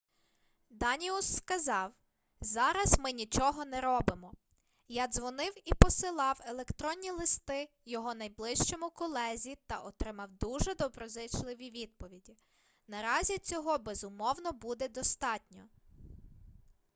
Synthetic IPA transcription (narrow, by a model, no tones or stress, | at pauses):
d̪ɑnʲiusːkɐzɑw | zɑɾɐzmɪnʲit͡ʃɔɦɔnɛɾɔbɪmɔ | jɑzʋɔnɪwipɔsɪlˠɑwelˠekt̪ɾɔnʲːilˠɪst̪ɪ | jɔɦɔnɐjblˠɪʃt͡ʃɔmʊkɔlˠɛzʲit̪ɐʔɔt̪ɾɪmɐwd̪uʒɛd̪ɔbɾɔzɪt͡ʃlˠɪʋʲiʋʲid̪̚pɔʋʲidʲi | nɐɾɑzʲit͡sʲɔɦɔbɛzʊmɔwnɔbud̪ɛd̪ɔst̪ɑtʲnʲɔ̰